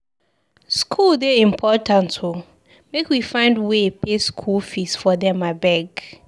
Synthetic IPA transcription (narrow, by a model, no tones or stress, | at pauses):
skʰuldeĩmpʰɔtãntʰo | mekwifãɪ̃ndwepeskʰulfisfɔdɛ̃mabɛɡ